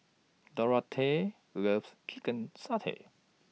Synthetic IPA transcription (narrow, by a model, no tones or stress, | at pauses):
dɔɹatʰe | ɹəfst͡ʃʰikə̃nsatʰḛ